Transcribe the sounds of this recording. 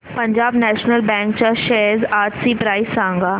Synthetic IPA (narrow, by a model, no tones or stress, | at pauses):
pɐ̃ɲd͡ʒaːbnɛːʃnəlbɛ̃ːŋkt͡ʃaʃɛɦzaːʈsipɾaːɪsãːŋɡaː